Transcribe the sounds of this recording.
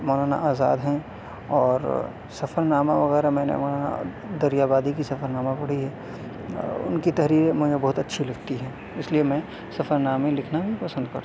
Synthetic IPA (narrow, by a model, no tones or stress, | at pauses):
mɔːnaːna̰ʔaːza̰ːd̪ɦɛ̃ | ɔːɾ | sɐfʰəɾnaːmaʋɐɣɛːɾamɛ̃ːnḛmɔːnaːna̰ | d̪ɐɾijaːbaːd̪ikisɐfəɾnaːmapɐɽ̤iɦɛː | ʊ̰nkit̪ɐɦɾiːɾemʊ̃d͡ʒebɔɦːʊt̪ɐtːʃʰilɐɡt̪iɦɛ̃ː | ɪsliemɛ̃ | sɐfəɾnaːmẽlɪkʰnabʱipɐsə̃nd̪̚kɐ̰ɾtː